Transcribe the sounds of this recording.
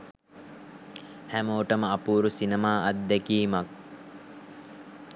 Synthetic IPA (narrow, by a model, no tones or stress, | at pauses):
hæməoʈəməapuːɾusinemaːʔat̪̚d̪ɛkiːmak̚